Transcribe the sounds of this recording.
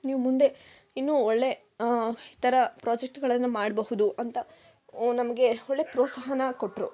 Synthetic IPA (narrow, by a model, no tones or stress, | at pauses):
niːʋumund̪e̞ | inːuːoɭːe̞ | it̪ɐɾɐpɾaːd͡ʒek̚ʈɡɐɭɐnːumaːɽbɐɦud̪uʔɐnt̪ɐ | nɐmɐɡe̞oɭːe̞pɾoːt̪sɐɦɐnɐkoʈːɾṵ